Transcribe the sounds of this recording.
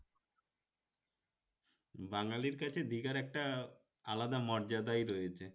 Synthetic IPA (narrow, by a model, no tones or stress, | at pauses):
baŋaliɾkat͡ɕʰed̪iɡaɾɛk̚ʈa | alad̪amɔɾd͡ʑad̪ajɾojet͡ɕʰe